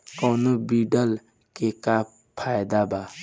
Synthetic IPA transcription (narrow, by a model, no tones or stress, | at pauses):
kɔːnobiːɖəl | keka | pʰaːjd̪abaː